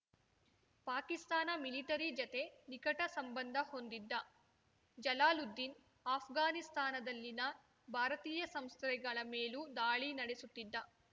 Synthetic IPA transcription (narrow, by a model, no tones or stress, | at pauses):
paːkist̪aːnɐmiliʈɐɾid͡ʒɐt̪e̞nikɐʈɐsɐmbɐnd̪ʱɐho̞nd̪id̪ːɐ | d͡ʒɐlaːlud̪ːin | aːpʰɡaːnist̪ʰaːnɐd̪ɐlːinɐ | bʱaːɾɐt̪iːjɐsɐmst̪ɾɛɡɐɭɐmeːlud̪aːɭinɐɽesut̪ːid̪ːɐ